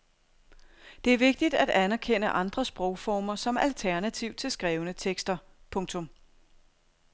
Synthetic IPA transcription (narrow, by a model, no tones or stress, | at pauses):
d̥e̝æɐʋe̝ɡ̥̚d̥id̥æd̥ænɐkʰen̰əʔɑ̈nd̥ʁɐsb̥ʁɔʊfɒːmɐsɒ̽mælt͡sʰæɐnæt͡sʰiʊt͡sʰe̝lsɡ̥ʁɛːʊənət͡sʰeɡ̥sd̥ɐ | pʰɔ̽ŋt͡sʰɔ̽m